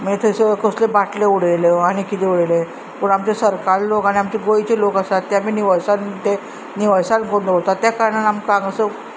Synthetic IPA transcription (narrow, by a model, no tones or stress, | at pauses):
mit̪ʰesekoslebaʈleuɽejleaɽ̃ikit̪euɽəjle | puɳamt͡ɕesəɾkaɾlokaɽ̃iamt͡ɕeɡojt͡ɕelokasat̪ːaminiʋəjsant̪e | niʋajsanɡond̪əɦot̪at̪jakaɾɳanamkãŋɡəsə